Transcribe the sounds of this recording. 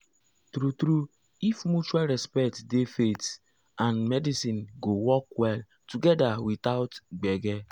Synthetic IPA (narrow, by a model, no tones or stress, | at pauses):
tɾutɾu | ifmut͡ʃualɹɛspɛktdefet | ãnmɛdisĩnɡowɔkwɛl | tuɡɛdawit̪aʊtɡ͡bɛɡɛ